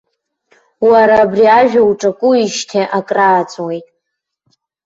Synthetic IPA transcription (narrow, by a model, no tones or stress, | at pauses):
waɾaːbriaʒᶣauʈ͡ʂʼakʷʼʊiʃtʰeʔakʼraːt͡sʼwejtʼ